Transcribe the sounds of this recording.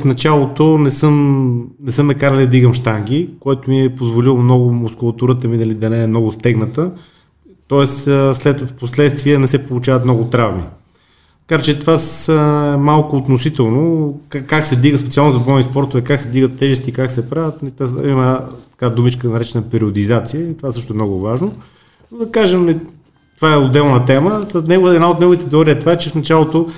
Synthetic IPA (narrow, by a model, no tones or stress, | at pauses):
fnɐt͡ʃalˠot̪onɛsɤmnɛsɤmnɐkaɾəlʲid̪ɐd̪iɡəmʃt̪aŋɡʲikɔjt̪omiɛpozvolilˠmnɔɡʊmʊskʊlˠɐt̪uɾət̪əmid̪ɐlid̪ɐnɛːmnɔɡʊst̪ɛɡnət̪ə | t̪ɔɛsslɛt̪fposlɛt̪st̪viɛnɛsɛpolˠʊt͡ʃavɐt̪mnɔɡʊt̪ɾavmḭ | kaɾt͡ʃɛt̪vasɛmalˠkʊːt̪nosit̪ɛlˠnokakːaksɛd̪viɡəspɛt̪sʲialˠnʊzɐbɔnispɔɾt̪ovɛkaksɛd̪viɡət̪ːɛʒɛst̪iːkaksɛpɾavət̪it̪aimət̪ɐ̥kad̪umit͡ʃkəd̪ɐnɐɾɛt͡ʃɛnəpɛɾiod̪izat̪sijəit̪ovaɛsɤʃt̪ʊɛmnɔɡʊvaʒno | nod̪ɐkaʒɛmɛ | t̪ovaɛod̪ɛlˠnət̪ɛmənɛɡʊvɛd̪naot̪nɛɡʊvit̪ɛt̪ɛɔɾiəɛt̪ovaɛt͡ʃɛfnɐt͡ʃalˠot̪o